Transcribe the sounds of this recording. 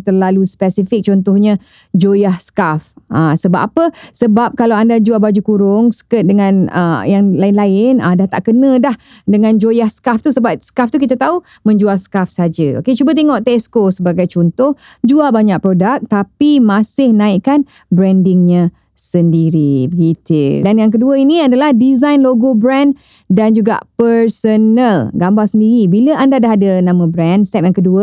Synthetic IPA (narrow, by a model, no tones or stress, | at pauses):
t̪ərlaluspɛsifɪk̚t͡ʃɔnt̪ʊhɲã | d͡ʒojahskafʔasəbap̚apəsəbap̚kalawandad͡ʒuabad͡ʒukuɾʊŋsə̥kət̪̚dəŋãnə̰jaŋlaɪnlaɪnədaht̪aʔkənə̃dahdəŋãnd͡ʒojahskaft̪usəbap̚skaft̪ukit̪at̪au | mə̃ɲd͡ʒualsə̥kafsad͡ʒəo̰ket͡ʃubət̪̬eŋɔʔt̪eɛskosəbaɡajt͡ʃɔnt̪ʊh | d͡ʒualbaɲaʔ̚pɾodak̚t̪apimãsɪhnãɪʔkan | bɾɛndɪŋɲã | səndiɾibəɡit̪ḭdanjaŋk̬əduəinĩadalahdizajnloɡobɾɛ̃n | dand͡ʒuɡa̰ʔpəɾsənəlɡambaŋsəndiɾibiləʔandadaɦadənãmə̃bɾɛnsɛp̚jaŋkəduə